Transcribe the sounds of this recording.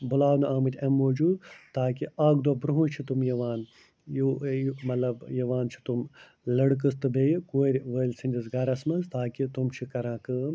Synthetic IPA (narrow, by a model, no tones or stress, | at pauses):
bulaːwnɨaːmɨt̪ʲɐmːoːd͡ʒuːd̪t̪aːkiaːɡd̪wɐbɾuɦut͡ʃʰit̪umjɐʋaːn | jomɐt̪lɐbjɐʋaːnt͡ʃʰi̥t̪um | lɐɽk̬ɨst̪ɨbʱejikoːɾʲʋəlʲsinʲd̪ʲisɡɐɾɐsmɐzt̪aːkit̪umt͡ʃʰikɐɾãːkɨːm